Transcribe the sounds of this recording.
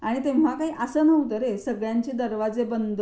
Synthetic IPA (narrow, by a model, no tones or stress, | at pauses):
aɽ̃it̪ẽʋʋakaɦiːʔəsəːnəʋt̪əɾesəɡɭjaɲt͡ɕed̪əɾʋad͡zebənd̪ʱ